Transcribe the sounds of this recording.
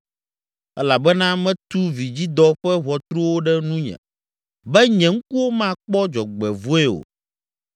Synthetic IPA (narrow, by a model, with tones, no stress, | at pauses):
ɛ˦la˨bɛ˦nã˦mɛ̃˦t̪u˦vi˨d͡ʑi˦d̪ɔ˦ɸɛ˦ɦɔ˨t̪ɾu˦wo˦ɖɛ˦nũ˦ɲɛ̰̃˨ | bɛ˦ɲɛ̃˨ŋ̩˦ku˦wo˦mã˦˨k͡pɔ˦d͡ʒɔ˨ɡ͡bɛ˨vu˦ɛ˦wo̰˨